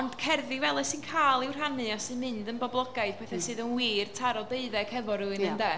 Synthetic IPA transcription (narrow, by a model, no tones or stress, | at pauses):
ɔnd̥kʰɛrðɪvɛlˠɛsɨnkʰaːlˠɪwrɦanɨɔsɨmɨndənbɔblˠɔɡajð̥pʰɛθɛsɨːðənwiːrtʰaɾɔdeɨðɛkʰɛvɔɾuɨnəndɛ